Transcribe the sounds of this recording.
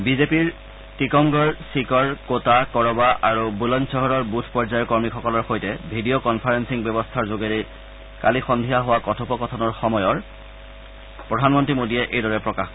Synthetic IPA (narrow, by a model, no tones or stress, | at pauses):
bizepiɹ | tikɔmɡɔɹsikɔɹkotakɔɹɔbaʔaɹubulɔnsɔɦɔɹɔɹbutʰpɔɹzajɔkɔɹmixʰɔkɔlɔɹxojtɛbʱidijokɔnpʰaɹensiŋbjɔbɔstʰaɹzoɡeɹi | kalixɔndʱijaɦowakɔtʰɔpɔkɔtʰɔnɔɹxɔmɔjɔɹ | pɹɔdʱanmɔntɹimodiɛʔejdɔɹɛpɹɔkaxk